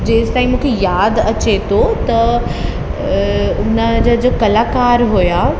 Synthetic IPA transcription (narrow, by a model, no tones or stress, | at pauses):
d͡ʑeːst̪aːĩmũːkʰejaːd̪ɐt͡ɕet̪ʰot̪ɐ | ʊnə̆d͡ʑad͡ʑəkɐlaːkaːɾɦujaː